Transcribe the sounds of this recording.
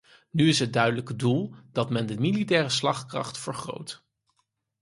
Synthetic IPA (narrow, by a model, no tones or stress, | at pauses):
nyɪsɦət̚dœɥdələkədulˠd̥ɑtmɛndəmilitɛːrəslɑχkrɑ̰χtfəɹχro̰wt